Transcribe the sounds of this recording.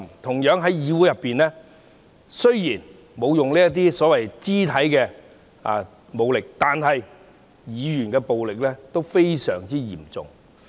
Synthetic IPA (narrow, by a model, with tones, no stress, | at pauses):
mt̪ʰʊ˨˩ŋjœː˨˥ŋɦɐ˨˥jjiː˨˧wu˨˥jɐ˨pːiː˨nlɛː˥ | sɵ˥ɥjiː˨˩n | mo˨˧wjʊ˨ŋliː˥jɐ˥t̪̬iː˥sɔː˨˥wɐ˨jt͡siː˥t̪ʰɐ˨˥jkɛː˧ | a̰˨˧ | mo˨˧wlɪ˨k̚t̪aː˨nɦɐ˨j | jiː˨˧jyː˨˩nkɛː˧po˨wlɪ˨k̚lɛː˥t̪o˥wfe˥jsœ̰ː˨˩ŋt͡siː˥jiː˨˩mt͡sʊ̰˨ŋ